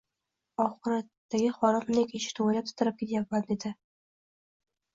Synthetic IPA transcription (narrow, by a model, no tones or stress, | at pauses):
ɒχɨɾat̪ːaɡʲɪχɒɾɪmnɪkʲɪʃɪ̥t̪ʰuwalap̚t̪ʰʊ̥t̪ʰɪɾɪp̚kʲʰet̪japmand̪ed̪ɪ